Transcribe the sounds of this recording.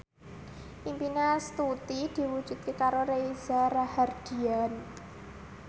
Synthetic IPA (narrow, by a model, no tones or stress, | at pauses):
ʔimpinast̪ut̪id̪̥i̤wud̥ʒ̥ṳt̪̚kekaɾoɾeizarahard̪̥i̤an